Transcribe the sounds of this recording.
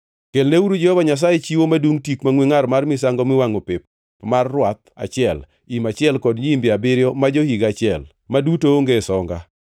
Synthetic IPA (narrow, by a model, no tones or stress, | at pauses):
kelneuɾud͡ʒɛhɔbaɲas̬ajet͡ʃiwomadwuŋtikmaŋwiŋaɾmarmɪs̬aŋɡɔmɪwaŋopɪp | marːwat̪̚a̰t͡ʃɪɛl | imat͡ʃɪɛlkɔdɲimbɪabɪɾjɔmad͡ʒohiɡat͡ʃɪɛl | madutooŋɡesɔŋɡa